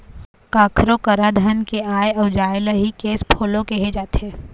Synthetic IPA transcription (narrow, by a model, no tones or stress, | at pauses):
kaːkʰɾokəɾad̪ʱankeaːjɐʊd͡ʒaːɪləɦikeːspʰoːlõkeɦed͡ʒaːt̪ɦɛː